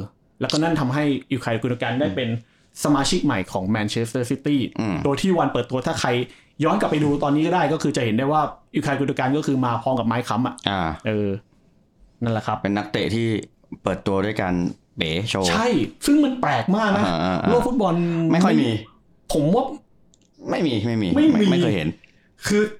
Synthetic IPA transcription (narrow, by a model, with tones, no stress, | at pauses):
lɛː˦˥kɔ˥˩na˥˩nt̪ʰa˧mɦa˥˩jʔi˧˩kʰaː˧jku˧ndu˧kaː˧ndaː˥˩jpe˧n | sa˧maː˧t͡ɕʰi˦˥k̚ma˨˩jkʰɔː˩˦ŋmɛː˧nt͡ɕʰe˦˥st̪ɤː˥˩si˦˥t̪iː˥˩ʔdoː˧jt̪ʰiː˥˩˨wa˧npɤː˨˩t̪ːu˧ɐt̪ʰaː˥˩kʰa˧j | jɔː˦˥nka˨˩pːa˧jduː˧t̪ɔː˧nːi˦˥kɔ˥˩daː˥˩jkɔː˥˩kʰɯː˧t͡ɕa˨˩ʔhe˩˦nda˥˩jwaː˥˩ʔi˧˩kʰa˧jku˧d̪u˧kaː˧nkɔː˥˩kʰɯː˧maː˧pʰɔː˧˥mka˨˩p̚maː˦˥jkʰa˦˥mʔa˨˩ʔʔaː˧˩ʔɤː˧ | na˥˩la˨˩kʰɾa˦˥p̚pe˧nːa˦˥k̚t̪ḛ˨˩t̪ʰiː˥˩ | pɤː˨˩t̪ːu˧ɐdu˥˩˨jkaː˧n | peː˩˦t͡ɕʰoː˧˩t͡ɕʰa˥˩jsɯ˥˩ŋma˧nplɛː˨˩k̚maː˥˩k̚naː˦˥˧ɯ˥˩fu˦˥t̪̚bɔ˧nma˥˩jkʰɔ˥˩miː˧ | pʰo˩˦mwaː˥˩ | ma˥˩jmiː˧ma˥˩jmiː˧ma˥˩jmiːa˥˩˧ɤː˩jɦḛ˨˩˦n | kʰɯː˧